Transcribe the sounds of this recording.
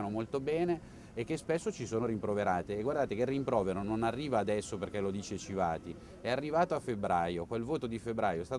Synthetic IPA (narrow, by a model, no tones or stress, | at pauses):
anomolt̪obɛːneː | k̟ːespesːot͡ʃisoːnoɾimpɾoveɾaːt̪eːɡwaɾrd̪aːt̪ekerːimpɾɔːveɾononarːiːvaːd̪ɛsːoperk̟ɛlod̪iːt͡ʃet͡ʃivaːt̪i | ɛarːivaːt̪oafːebɾaːjokwelvoːt̪od̪ifebːɾaːjoɛst̪aːt̪